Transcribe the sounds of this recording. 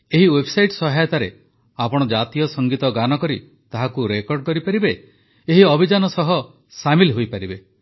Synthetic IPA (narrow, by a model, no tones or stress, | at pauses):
eɦiwebsajʈsɔɦajɔt̪aɾe | apɔɽ̃ɔd͡ʒat̪ijɔsɔŋɡit̪ɔɡanɔkɔɾi | t̪aɦakuɾekɔɾɖ̚kɔɾipaɾibe | eɦiɔbʱid͡ʒanɔsɔɦɔ | samilɦojpaɾibe